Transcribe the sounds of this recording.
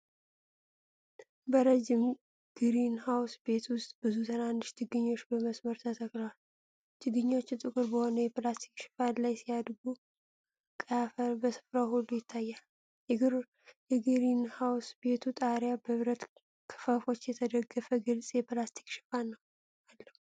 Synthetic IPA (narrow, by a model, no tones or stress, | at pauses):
bəɾəd͡ʒɪm | ɡ̥ɨɾinhawsbe̞t̪ʰwʊst̪ʼbɨzut̪ʰɨnand̪ɨʃt̪ʰɨɡɨɲːo̞t͡ʃːbəməsməɾt̪ʰət̪ʰəkləwal | t̪ʰɨɡɨɲːot͡ʃːut̪ʼɨkʼɨɾbəho̞nəjɛplast̪ʰi̥kʃɪ̥fallajsijad̪ɡu | kʼəafəlbəsɨ̥fɾawhulːujɪt̪ʰːajːal | jɛɡɨɾ | jɛɡɨɾinhawsbe̞t̪ʰut̪ʼaɾjabəβɾət̪ | kʰə̥fafo̞t͡ʃːjɛt̪ʰəd̪əɡːəfəɡɨlsʼjɛplast̪ʰi̥kʃɪ̥fannːəw | alːəhu